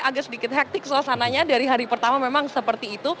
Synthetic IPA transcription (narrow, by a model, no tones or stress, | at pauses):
aɡasədikɪt̪̚ɦɛk̚t̪ɪksoasanaɲadaɾiɦaɾipərt̪amamemaŋsəpərt̪iːt̪u